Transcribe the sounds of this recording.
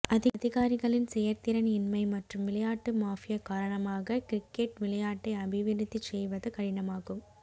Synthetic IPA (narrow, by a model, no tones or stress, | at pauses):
ɐðɪðɪɣaːɾɪɣɐɭɪnsɛjɐɾt̪ɪɾɐnɪnmɐɪmɐʈrɯmʋɪlɐjaːʈːɯmaːfɪjɐkaːɾɐɳɐmaːɣɐkɪɾɪkːeʈʋɪlɐjaːʈːɐɪɐbɪʋɪɾɪt̪ːit͡ʃːɛjʋɐðɐkɐɽɪnɐmaːɣɯm